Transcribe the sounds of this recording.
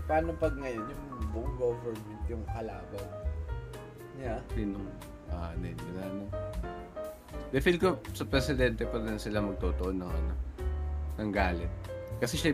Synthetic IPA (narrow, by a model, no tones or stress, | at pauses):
pɐaːnopɐɡ̚ŋɐjonjʊŋbʊʔʊŋɡoːvɛɹmɛnt̪jʊŋʔɐlaːbɐ | ɲasinoŋ | ʔaːʔɐnɛnʊlano | d̪ɛfilkosɐpɾɛsɪd̪ɛnt̪ɛpɐɾɛnsɪlamɐɡ̚t̪oːt̪oʔonɐʔono | nɐŋɡaːlɪt̪̚kɐsɛʃɐ